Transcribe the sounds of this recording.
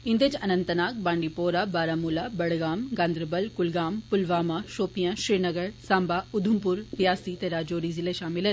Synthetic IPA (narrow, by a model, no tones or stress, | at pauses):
ɪ̃nd̪əd͡ʑɐnə̃nt̪ənaːk̚bãːɳɖipoːɾabaːɾaːmuːlabɐɽɡaːmɡãːnd̪ɾbəlkʊlɡaːmpʊlʋaːmaʃoːpijãʃiɾnɐɡəɽsãːmbaʊd̪ʱʊmpʊɾtijaːsit̪eɾaːd͡ʑoːɾizɪleʃaːmɪlən